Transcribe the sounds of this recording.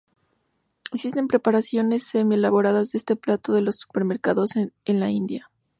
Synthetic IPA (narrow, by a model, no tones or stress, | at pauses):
e̞ksis̬t̪e̞mpɾe̞paɾasjo̞ne̞sːemielaβo̞ɾaðazðeest̪e̞plat̪o̞ðe̞lo̞sːu̥pe̞ɾme̞ɾkaðosenlaind̪ja